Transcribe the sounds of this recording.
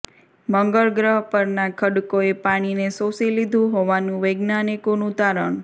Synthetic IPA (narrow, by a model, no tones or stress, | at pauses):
məŋɡəɭɡɾəɦpəɾnakʰəɽkoepaɽ̃inesosilid̪ʱũɦoʋanũʋəɡnanikonũt̪aɾəɳ